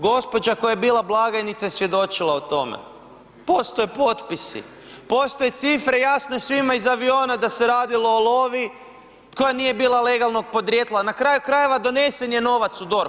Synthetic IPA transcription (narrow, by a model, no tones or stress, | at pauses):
ɡo̞spo̞d͡ʒako̞jajebiːlˠablˠaɡanit̪sajesʋje̞d̪o̞t͡ʃilˠaot̪o̞mḛ | po̞st̪ojepo̞t̪pisḭ | po̞st̪ojet̪sifɾe̞jasnoesʋimaizaʋio̞ːnad̪ase̞ɾaːd̪ilo̞ːlˠo̞ʋi | ko̞janije̞biːlˠale̞ɡalˠno̞ɡ̚po̞d̪ɾjet̪lˠanakɾajukɾaje̞ʋad̪o̞ne̞se̞nje̞no̞ʋat̪sud̪o̞ɾ